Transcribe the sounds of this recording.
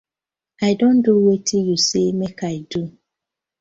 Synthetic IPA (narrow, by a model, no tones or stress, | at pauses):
aɪdõnduwetʰijusemekaɪdu